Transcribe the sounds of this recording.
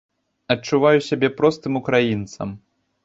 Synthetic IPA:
ɐt͡ʂːuvajusʲabʲɛpɾɔst̪ɨmukɾajint̪sɐ̰m

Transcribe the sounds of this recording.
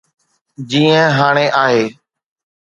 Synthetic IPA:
d͡ʒiːə̃ɦaːɽ̃eːʔaːɦeː

